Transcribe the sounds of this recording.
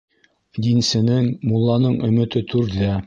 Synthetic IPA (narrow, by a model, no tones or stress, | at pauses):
d̪insɘ̆nɘŋmulˠːɑnɤɴʔɵ̆mɵ̆t̪ɘt̪ʰʉɾðæ